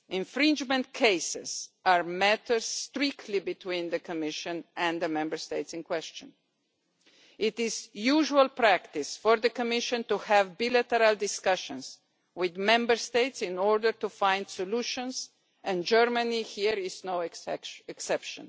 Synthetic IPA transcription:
ɪ̃ɱfɹɪ̃nd͡ʒmə̃nt̚kʰeɪsɪz̥aɹmætəɹz̥ːtɹɪktʰlibɪtʰwĩnðəkʰɔmɪʃɨ̃nɨ̃nðəmɛ̃mbəɹsteɪtsɪ̃nkwɛst͡ʃə̃n | ɪtɪzjuʒuəlˠpɾæktɪsfɔɹðəkɔmɪʃə̃ntuhævbilætəɾalˠdɪskʌʃə̃nz | wɪðmɛ̃mbə˞steɪtsɪ̃nɔɹdə˞tufãɪ̃nd̥sɔluʃə̃nz | ɛ̃nd͡ʒɜɹmənihiɹɪznoʊɛksɛpʃə̰̃n

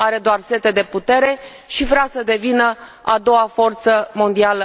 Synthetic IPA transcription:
aɾe̞d̪oarse̞t̪e̞d̪e̞put̪e̞ɾe̞ | ʃivɾeasəd̪e̞vinə | a̰d̪o̞wafo̞rt̪səmo̞nd̪ialə

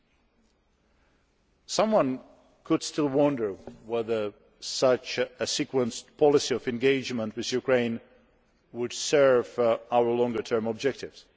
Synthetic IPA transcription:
sʌ̃mwʌ̃n | kʰɨd̥stɪlˠwʌ̃ndə˞wɛðə˞ | sʌt͡ʃɨsikwə̃nspʰɑlˠɪsiɔvɨ̃nɡeɪd͡ʒmə̃nt̚wɨðjukʰɹ̥ẽɪ̃n | wʊd̥sɜ˞vʔaʊə˞lɔ̃ŋɡə˞tʰɜ̃˞mɔb̚d͡ʒɛk̚tɪvz̥

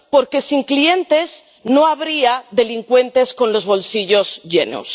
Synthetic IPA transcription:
po̞ɾke̞siŋklie̞nt̪e̞s | no̞aβɾiaðe̞liŋkwe̞nt̪e̞sko̞nlo̞zβo̞lsiʝo̞zʝe̞no̰s

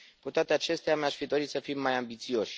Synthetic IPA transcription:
kut̪oat̪eat͡ʃe̞st̪eamaʃfid̪o̞ɾit̪səfimːajambit̪sio̞ʃʲ

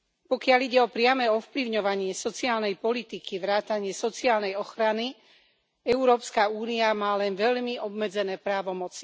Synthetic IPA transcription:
pɔkɪaʎiɟɛɔpɾɪamɛɔfpliʊɲɔʋaɲɪɛsɔt͡siaːlnɛjpɔlit̪ikiʋɾaːt̪aɲɪɛsɔt͡siaːlnɛjɔxɾani | ɛuɾɔːpskauːniamaːlɛnʋɛʎmiɔbmɛd͡zɛnɛːpɾaːʋɔmɔt͡si̥

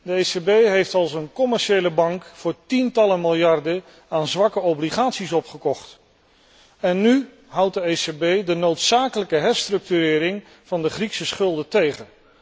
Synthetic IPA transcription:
dəejsebejɦejftɑlˠsənkɔmɛɹʃejləbɑŋkfʊːɹtintɑləmɪlˠjɑɹdə | aːnzʋɑkəobliχaːtsisɔpχəkɔχt | ɛnːy | ɦʌwt̚dəejsebejdənowtsaːkələkəɦɛɹstrɵk̚tyɾɪːɾɪŋ | v̥ɑndəχriksəsχɵlˠdətejχən

